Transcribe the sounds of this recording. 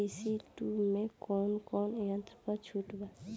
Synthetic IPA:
isiʈumẽkɔːnkɔneɦãt̪ʰəpət͡ʃʰuːʈba

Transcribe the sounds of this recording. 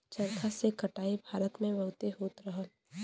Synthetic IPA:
t͡ʃɐɾt̪ʰasekɐʈaːebʱaːɾət̪mẽʋɐɦʊt̪eɦoːt̪ɾəɦə

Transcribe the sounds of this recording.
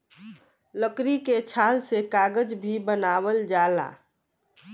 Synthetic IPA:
ləkɾiket͡ʃʰaːlsekaɡəd͡ʒbʱibənaːwəld͡ʒaːla̰ː

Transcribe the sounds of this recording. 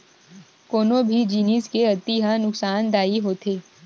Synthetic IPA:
koːnõbʱid͡ʒiːniskeɐt̪iɦanʊksaːnd̪aːiɦoːt̪ʰeː

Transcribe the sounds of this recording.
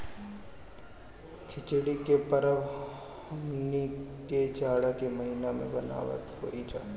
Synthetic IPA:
kʰɪt͡ʃɽikepəɾəʋ | hɐmniked͡ʒaːɽakeməɦinamḛ̃bɐna̰ːʋə̰tko̰ʔiːd͡ʒa

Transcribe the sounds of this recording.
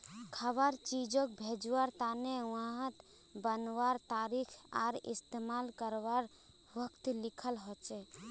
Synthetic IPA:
kʰəβaɾt͡ʃid͡ʒõk̚bʱed͡ʒwaɾt̪anewãɦət̪ | bənwaɾt̪aɾikʰa̰ɾḭst̪emalkəɾwaɾ | wəkt̪likʰəlɦɔt͡ʃɛ

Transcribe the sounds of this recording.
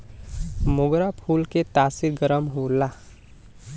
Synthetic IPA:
moɡɾapʰuːlket̪aːsiɾɡəɾəmɦula

